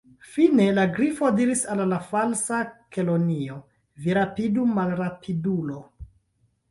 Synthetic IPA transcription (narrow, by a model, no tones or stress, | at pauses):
fine̞laɡɾifo̞diɾisalːafalsake̞lo̞nio̞ | viɾapidumalɾapʰidulo̞